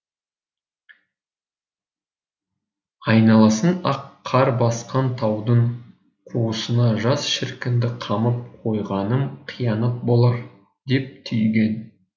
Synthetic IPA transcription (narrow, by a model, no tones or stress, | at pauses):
ɑjnɑlˠɑsənɑqʰːɑɾbɑsqɑnt̪ʰɑwd̪əɴ | qʰuwəsənɑʒɑsʃɪɾkʲɪnd̪ɪqʰɑməp̚qʰo̞jʁɑnəmqʰijɑnəp̚bo̞lˠɑɾ | d̪e̞p̚t̪ʰʏjɡʲe̞n